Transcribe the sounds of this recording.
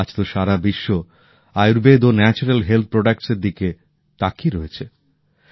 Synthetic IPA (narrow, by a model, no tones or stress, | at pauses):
at͡ɕʰt̪oʃaɾabiʃːo | ajuɾbed̪onɛt͡ɕuɾelɦelt̪̚ʰpɾoɖakʈseɾd̪ike | t̪akiɾoet͡ɕʰe